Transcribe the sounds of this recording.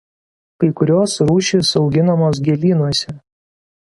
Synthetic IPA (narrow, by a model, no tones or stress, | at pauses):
kɐɪkʊɾʲoːsɾuːʃʲisɒʊɡʲɪnɐmoːs̬ɡʲɛlʲiːnuɔsʲɛ